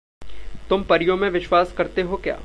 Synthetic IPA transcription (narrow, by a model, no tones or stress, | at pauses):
t̪ʊmpɐɾɪjõmẽʋɪʃwaːskɐɾt̪eɦokja̰ː